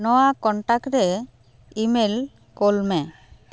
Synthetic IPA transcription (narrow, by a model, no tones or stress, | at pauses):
nɔwakɔɳʈakɾɛ | imel | kolmɛ